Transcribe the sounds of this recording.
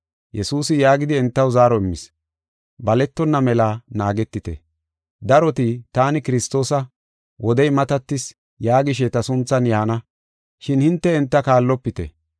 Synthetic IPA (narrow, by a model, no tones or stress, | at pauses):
jɛsuːsɪjaːɡɪd̪ɪɛnt̪ːɐwzaːɾɔɪmːɪs | bɐlɛt̪ːɔnːɐmɛlaːnaːɡɛt̪ːɪt̪ɛ̰ | d̪ɐɾɔt̪ɪt̪aːnɪkɪɾɪst̪ːo̞ːsɐ | wʔɔd̪ɛjmɐt̪ɐt̪ːɪs | jaːɡɪʃ̬et̪ɐsʊnt͡sːɐnjaːnɐ | ʃɪnhɪnt̪ːɛɛnt̪ːɐkaːlːɔpːɪt̪ɛ̰